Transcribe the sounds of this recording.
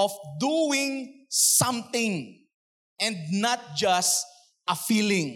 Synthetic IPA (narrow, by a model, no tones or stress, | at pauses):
ɔfd̪uɪ̃ŋsʌ̃mt̪ɪ̃ŋ | ɛ̃nd̪̚nat̪̚d͡ʒast | ʔɐfilɪ̃ŋ